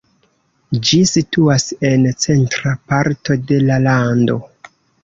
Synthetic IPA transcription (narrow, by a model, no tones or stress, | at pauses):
d͡ʒisituase̞nt͡se̞ntɾapaɾto̞de̞lalando̞̰